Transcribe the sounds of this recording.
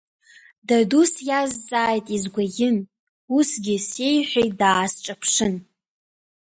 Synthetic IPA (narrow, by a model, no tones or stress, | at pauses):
dadusjazːʼaːjtʼizɡʷaɡʲɪn | usɡʲɪsejħʷᶣejdaːsʈ͡ʂʼapʰʂɨn